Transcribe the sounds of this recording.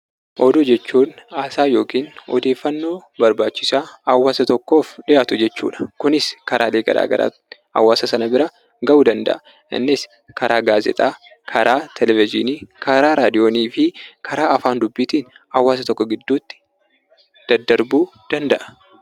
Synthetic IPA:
ʔɔd̪ʊd͡ʒɛt͡ʃːuːnaːsaːjo̞ːkiːnɔ̰d̪e̞ːfːɐnːo̞ːbɐɾbaːt͡ʃːɪsaːhɐwːaːsɐt̪ɔkːo̞ːfɗɪʔaːt̪ʊd͡ʒɛt͡ʃːṵːᶑɐ̥kʊnɪskɐɾʔaːleːɡɐ̰ɾa̰ːɡɐ̰ɾa̰ː | hɐ̰wːaːsɐsɐnɐbɪɾɐ | ɡɐʔuːd̪ɐnd̪ɐ̰ʔɐ | ʔɪ̰nːɪs | kɐɾaːɡaːzɛ̰t̪ʼaː | kʰɐɾʔaːt̪ʰɛlɛvɪd͡ʒɪniːkʰɐɾaːɾaːd̪ɪjo̞ːniːfɪkʰɐɾaːʔɐfaːnd̪ʊbːit̪iːn | hɐwːaːs̬ɐt̪ɔkːɔɡɪd̪ːuːt̪ːɪ̥ | d̪̥ɐd̪ːɐɾbuː | d̪̥ɐnd̪ɐʔɐ̥

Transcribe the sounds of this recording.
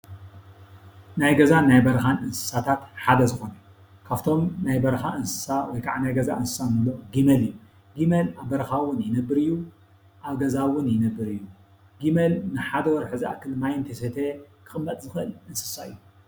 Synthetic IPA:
najɡɐzanajbɐɾɐxanɨnsɨ̥sat̪ʰat̪ħad̪ɐzɨxo̞nɐ | kʰaft̪ʰo̞mnajbɐɾxaʔɨnsɨ̥sawɔjkʰa̰ʕnajɡɐzaʔɨnsɨ̥sanɨlo̞ɡimɐlɨjːu | ɡimelaβbɐɾɐxawʊnjɪnɐbːɨɾɨjːu | ʔaβɡɐzawʊnjɪnɐbːɨɾɨjːu | ɡimelnɨħad̪ɐwɔɾħɨza̰kʰɨlmajɪnt̪ʰeset̪ʰekʰɨxʼɨmːɐt̪ʼzɨxʔɨlɨnsɨ̥saɨjːu

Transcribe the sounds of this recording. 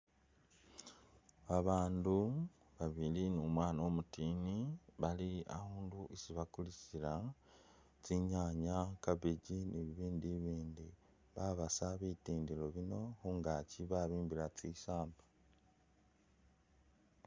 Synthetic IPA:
βaβaːndu | βaβilinumwaːnaomutiniβalia̰huːnduʔisiβakulisila | t͡siɲaɲakaβiɟiniβiβiːndiβiːndi | βaβasaβitiːndilo̞βino̞xuːŋɡaciβaβiːmbilat͡sisaːmba

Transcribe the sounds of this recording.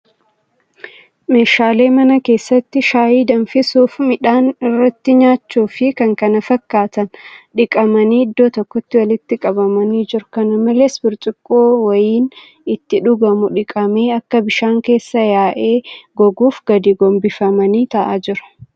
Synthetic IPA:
me̞ːʃaːle̞ːmɐnɐke̞ːsːɐt̪ːɪʃaːjiːd̪ɐnfɪsuːfmɪᶑaːnɪrːɐt̪ːɪɲaːt͡ʃːuːfɪkɐŋkɐnɐfɐkːaːt̪ɐnᶑɪkʼɐmɐniːd̪ːoːt̪ɔkːɔt̪ːɪwɐlɪt̪ːɪkʼɐbɐmɐniːd͡ʒɪɾʊ̥kɐnɐmɐleːsbɪɾt͡ʃʼɪkʼːoːwɐjiːn | ɪt̪ːɪᶑʊɡɐmʊᶑɪkʼɐme̞ːɐkːɐbɪʃaːŋke̞ːsːɐjaːʔe̞ːɡɔɡuːfɡɐd̪iːɡɔmbɪfɐmɐniːt̪ɐʔaːd͡ʒɪɾɐ̥

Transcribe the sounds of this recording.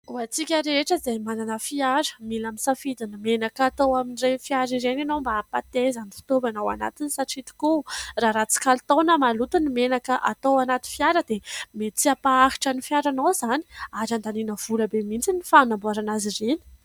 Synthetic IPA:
uat͡sikʲəɾeʈ͡ʂəizejmananəfiaɾə̥milaminsafid̪inimenakat̪owaminirefiaɾiɾenanombaːpat̪ezanifi̥t̪ovanawa̰na̰t̪insaʈ͡ʂit̪i̥kuraɾat͡si̥kalt̪onəmalut̪unimenakəʔat̪owanat̪infiaɾəd̪emet͡siapaːɦi̥ʈ͡ʂənifjaɾanawzaniaɾand̪aninəv̥uləbemint͡sinifanambuaɾanazireni̥

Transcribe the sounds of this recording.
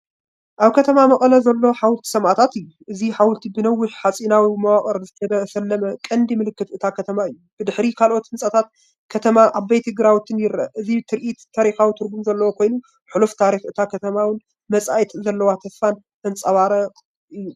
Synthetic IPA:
ʔaβkʰɐt̪ʰɐmamɐχʼɐlɐzɐlːo̞ħawʊlt̪ʰi̥sɐmʔat̪ʰat̪ɨjːuʔɨziħawʊlt̪ʰibɨnɐwːɪħħat͡sʼinawimɐwaχʼɐɾzɨt̪ʰɐd̪ɐsɐlːɐmɐkʼɐnd̪imɨlɨkːɨt̪ʔɨt̪ʰakʰɐt̪ʰɐmaɨjːub̥ɨd̪ɨħɾikʰalʔo̞t̪hɨnsʼɐt̪ʰat̪̚ | kʰɐt̪ʰɐmaʔaβbajt̪ʰɨɡɾawt̪ʰɨnjɪɾɐʔɨzit̪ʰɨɾʔit̪ʰːaɾixawit̪ʰɨɾbumzɐlːɐwokʰo̞jnu | ħuluft̪ʰaɾixʔɨt̪ʰakʰɐt̪ʰɐmawɨn | mɐt͡sʼajt̪zɐlːɐwat̪ʰɐfːan | ʔɨnt͡sʼɐβaɾɐ | ʔɨjːu

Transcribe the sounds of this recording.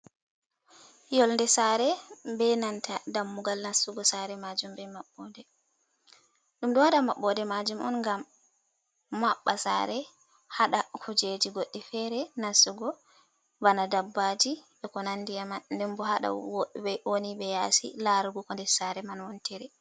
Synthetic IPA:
jɔlndɛsaɾɛbɛnantadamːuɡalnasuɡɔsaɾɛmad͡ʒumbɛmaɓːɔdɛ | ɗumɗɔhaɗamaɓːɔdɛmad͡ʒumɔ̰nŋɡam | aɓːasa̰ɾɛ | haɗakud͡ʒed͡ʒiɡoɗːifɛɾɛnasuɡɔ | banadabːad͡ʒi | ɛkɔnanːdijamandɛmbɔhaɗa̰woɗbɛonibɛjasḭlaɾɡukɔndɛsaɾɛmanwɔntɛɾɛ

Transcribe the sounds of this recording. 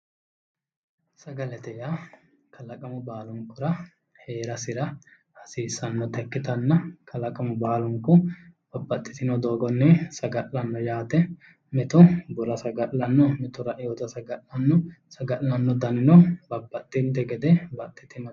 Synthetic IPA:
sɐɡɐlɛt̪ɛja | kʰɐlɐkʼɐmʊbaːlʊŋkːʊɾɐ | he̞ːɾɐsɪɾɐ | hɐsiːsːɐnːɔt̪ɛkːɪt̪ɐnːɐkʰɐlɐkʼɐmʊbaːlʊŋkːʊb̥ɐbːɐt̪ʼːɪ̥t̪ɪnɔd̪o̞ːɡɔnːɛsɐɡɐʔlɐnːɔjaːt̪ɛ | mɛt̪ʊbʊɾɐsɐɡɐʔlɐnːɔmɛt̪ʊɾɐʔɪjɔt̪ɐsɐɡɐʔɐnːɔ | sɐɡɐʔɐnːɔd̪ɐnɪnɔbɐbːɐt̪ʼːɪnt̪ɛɡɛd̪ɛbɐt̪ʼːɪt̪ɪnɔ

